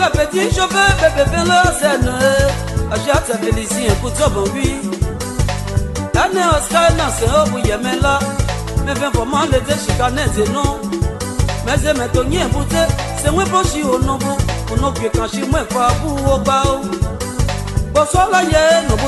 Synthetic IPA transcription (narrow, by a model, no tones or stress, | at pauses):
epediʃobebebevẽloazenũe | aʒiat͡sɛbeliziẽkud͡zomõwi | enẽoskaenãsẽobujemẽla | mẽvẽvɔmãled͡zeʃikanẽd͡zenõ | mẽzemẽtoɲẽbud͡zeseŋʷẽpoʃiwonõbuunõkʷʲekãʃimʷẽkʷabuwok͡pao | k͡posoalajeenõbu